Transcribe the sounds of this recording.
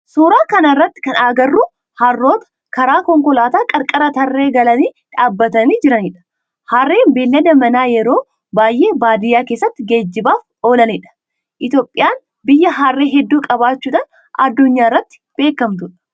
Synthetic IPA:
suːɾaːkɐnɐrːɐt̪ːɪ̥kɐnaːɡɐrːu | hɐrːo̞ːt̪ɐ̥ | kɐɾaːkɔŋkɔlaːt̪aːkʼɐɾkʼɐɾɐt̪ɐrːe̞ːɡɐlɐniː | ᶑaːbːɐt̪ɐniːd͡ʒɪɾɐniᶑɐ̥ | haːrːeːnbeːlːɐd̪ɐmɐnaːjɛɾo̞ː | baːjʔe̞ːbaːd̪ɪjaːke̞ːsːɐt̪ːɪɡe̞ːd͡ʒːɪbaːf | o̞ːlɐniᶑɐ̥ | ʔɪt̪joːpʼːɪjaːn | bɪjːɐɦaːrːeːɦɛd̪ːuːkʼɐβaːt͡ʃːuːᶑɐn | ɐ̰d̪ːʊɲːaːrːɐt̪ːɪ̥b̥e̞ːkːɐmt̪ʊᶑɐ̥

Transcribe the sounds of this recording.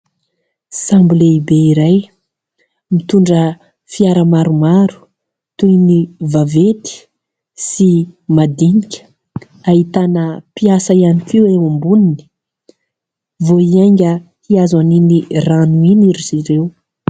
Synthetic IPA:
sambuleibeiɾaj | mit̪uɳɖ͡ʐə | fiaɾəmaɾumaɾu̥ | t̪univavet̪i̥ | simad̪inikʲə̥ | aɦit̪anəpiasaianikʲewewambunini̥ | voiajŋɡʲə | hiazaniniranuiniɾiz̥iɾew

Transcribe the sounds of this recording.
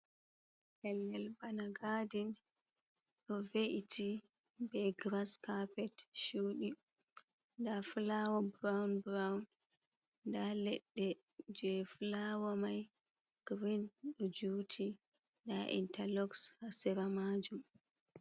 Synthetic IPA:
hɛlːɛlbanaɡadin | ɗɔveʔitʰibɛɡɾaskapɛtʃuːɗi | ndafulawɔbɾawnbɾawn | dalɛɗːɛd͡ʒɛfulawamaj | ɡ̥ɾinɗɔd͡ʒuːtʰindaʔḭntalɔkshasɛɾamad͡ʒum

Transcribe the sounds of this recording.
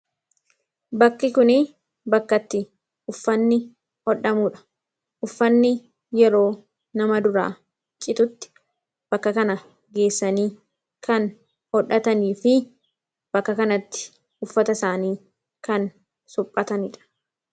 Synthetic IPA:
bɐkːɪkʊnɪ | bɐkːɐt̪ːɪ | ʊfːɐnːɪ | ɔᶑɐmuːᶑɐ̥ | ʔʊfːɐnːɪ | jɛɾo̞ː | nɐmɐd̪ʊɾa̰ː | t͡ʃʼːɪt̪ʊt̪ːɪ̥ | b̥ɐkːɐkɐnɐ | ɡe̞ːsːɐniː | kɐn | hɔᶑːɐt̪ɐniːfɪ | b̥ɐkːɐkɐnɐt̪ːɪ̥ | ʊfːɐt̪ɐsaːniː | kɐn | sʊpʼːɐt̪ɐnɪᶑɐ̥

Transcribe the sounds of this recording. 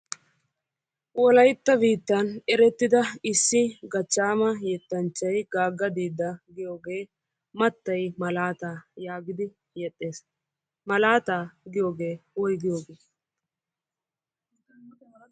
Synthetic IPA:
wɔlɐjt̪ːɐbiːt̪ːɐnɛɾɛt̪ːɪd̪ɐɪsːɪɡɐt͡ʃːaːmɐjɛt̪ːɐnt͡ʃːɐjɡaːɡːɐd̪iːd̪ːɐɡɪjoːɡe̞ː | mɐt̪ːɐjmɐlaːt̪aːjaːɡɪd̪ɪ | jɛt̪ʼːeːs | mɐlaːt̪aːɡɪjo̞ːɡe̞ːɔjɡɪjo̞ːɡeː

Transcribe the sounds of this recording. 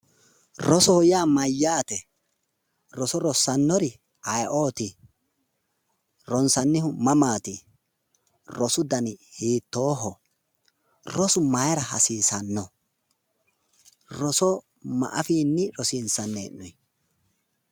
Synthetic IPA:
ɾɔsɔhɔjaːmɐjːaːt̪ɛ | ɾɔsɔɾɔsɐnːɔɾɪ | ɐjʔoːt̪ɪ | ɾɔnsɐnːɪhʊmɐmaːt̪ɪ | ɾɔsʊd̪ɐnhiːt̪ːo̞ːɦɔ | rɔsʊmɐjɾɐhɐ̰siːsɐnːɔ | ɾɔsɔ | mɐ̰ʔɐfiːnːɪɾɔsinsɐnːeːnːɔj

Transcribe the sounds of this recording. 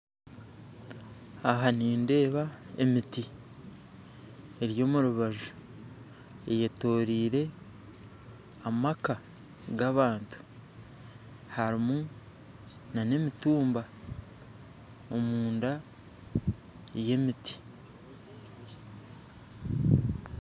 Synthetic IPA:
ahaniːnde̞ːβae̞̰miti | eɾjo̞ːmuɾuβaʒu | e̞jeto̞ːɾiːɾe̞ | amaka | ɡaβaːntu̥ | haɾimu | nane̞mituːmba | omuːnda | je̞miti̥

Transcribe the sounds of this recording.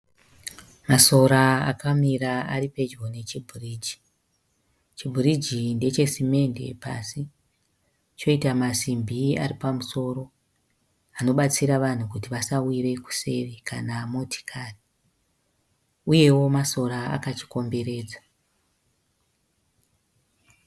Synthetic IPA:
maso̞ɾaa̰kʰamiraaɾipe̞d͡ʒɡo̞ne̞t͡ʃibʱuriːd͡ʒi̥ | t͡ʃibʱurid͡ʒinde̞t͡ʃe̞sime̞nde̞̰pa̰si | t͡ʃo̞itamasimbʱia̰ripamuso̞ːɾo̞ | ano̞ɓat͡siɾaʋan̤ukutiʋasawire̞ku̥se̞ʋekʰanamotʰi̥kʰaːri | uje̞wo̞maso̞ɾaa̰kat͡ʃi̥ko̞mbe̞ɾe̞ːd͡za

